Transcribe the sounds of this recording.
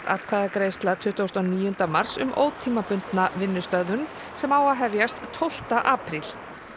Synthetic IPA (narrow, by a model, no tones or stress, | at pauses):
a̰pkʰaðakɾeːjst̪lat̪ʰʏht̪owst̪ɔniːjʏnt̪amar̥sʏ̰mʔo̰ːwt̪ʰːiːmapʏnt̪navɪnːʏst̪œðʏn | sɛmawaɦɛvjast̪ʰːowl̥t̪aʔaːpɾil̥